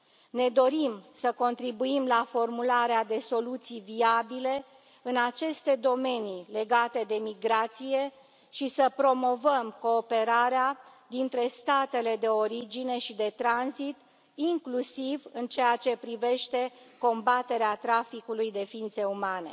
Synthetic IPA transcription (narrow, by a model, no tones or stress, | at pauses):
ne̞d̪o̞ɾimsəko̞nt̪ɾibuimlafo̞rmulaɾead̪e̞so̞lut̪sijviabile̞ | ɨnat͡ʃe̞st̪e̞d̪o̞me̞nile̞ɡat̪e̞d̪e̞miɡɾat̪sije̞ | ʃisəpɾo̞mo̞vəmko̞ːpe̞ɾaɾea | d̪int̪ɾe̞st̪at̪e̞le̞d̪e̞o̞ɾid͡ʒine̞ʃid̪e̞t̪ɾanzit̪ | iŋklusivɨnt͡ʃejat͡ʃe̞pɾive̞ʃt̪e̞ko̞mbat̪e̞ɾeat̪ɾafikulujd̪e̞fiint̪se̞umane̞̰